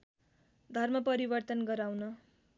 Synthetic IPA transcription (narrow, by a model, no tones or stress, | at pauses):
d̪ʱʌrmʌpʌɾibʌrt̪ʌnɡʌɾawnʌ